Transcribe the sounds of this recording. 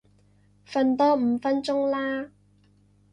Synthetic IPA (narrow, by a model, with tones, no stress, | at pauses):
fɐ˧nt̪ɔː˥m̩˨˧fɐ˥nt͡sʊ˥ŋlaː˥